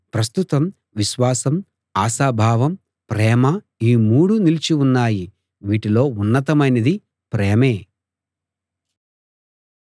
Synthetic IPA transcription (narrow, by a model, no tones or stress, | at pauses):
pɾɐst̪ut̪ɐm | ʋiʃʋaːsɐm | aːsaːbʱaːʋɐm | pɾɛːmɐ | iːmuːɽunilit͡ʃiunːaːji | ʋiːʈilo̞ːunːɐt̪̬ɐmɐjnɐd̪i | pɾɛːmeː